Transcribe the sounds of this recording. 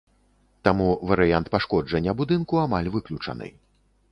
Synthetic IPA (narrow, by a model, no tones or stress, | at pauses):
t̪amuvɐɾɨjant̪̚paʂkɔd͡ʐɐnʲːɐbud̪ɨnkuamalʲvɨklʲut͡ʂɐ̰nɨ̰j